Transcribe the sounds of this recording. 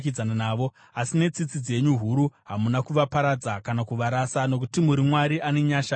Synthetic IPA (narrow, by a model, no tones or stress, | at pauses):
kid͡zananaːʋo̞ | asine̞t͡sit͡sid͡ze̞ɲuɦuɾuɦamunakuʋapaɾad͡zakanakuʋaɾasano̞kutimuɾimwaɾiʔane̞ɲaːʃa